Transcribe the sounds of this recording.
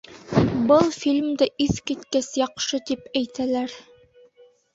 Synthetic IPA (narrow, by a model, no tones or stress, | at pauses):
bɤlˠfilʲmd̪ɘʔiθkit̪kæsjɑqʃɤt̪ipæjt̪ælæɾ